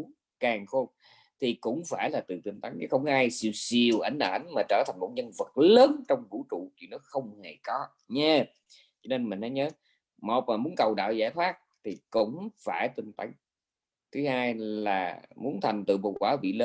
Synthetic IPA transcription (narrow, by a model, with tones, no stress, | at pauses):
kaː˨˩ŋxo˧ | t̪ʰi˨˩kʊ̰˧˥ŋ͡mfaː˧˩jlaː˨˩t̪ɨ̰˧˨˩t̪wi˧˩ŋt̪a˨˦ŋ˨˦xə˧wŋ͡mʔaː˧jsi˧˩wsi˧˨əwʔa˨˧˦jŋ̟ʔaː˨˩ʔa˨˦jŋ̟maː˨˩t͡ɕəː˧˩t̪ʰa˨˩ŋ̟mo˨˩t̚ɲə˧nvə˨˩t̚ləː˨˦nt͡ɕɔ˧wŋ͡mvṵ˧˥t͡ɕṵ˧˩˨t͡ɕwḭ˧˨nɔ˨˦xə˧wŋ͡mhe˨˩kɔ˨˦ | ɲɛ˧ | t͡ɕɔ˧ne˧nmï˨˩ŋ̟ha˨˦jɲəː˨˦ | mo˨˩t̚maː˨˩mu˨˦ənkə˨˩wɗa̰ː˧˨wza̰ː˧˥˩jt̪ʰwaː˦˥k̚t̪ʰi˨˩kʊ̰˧˥ŋ͡mfaː˧˩jt̪wï˧˩ŋ̟t̪a˨˦ŋ | t̪ʰɨ˨˦haː˧jla̰ː˨˩mu˨˦ənt̪ʰa˨˩jŋ̟t̪ɨ̰˧˨ɓo̰˧˨˩kwaː˨˦ɓḭ˧˨ləː˨˦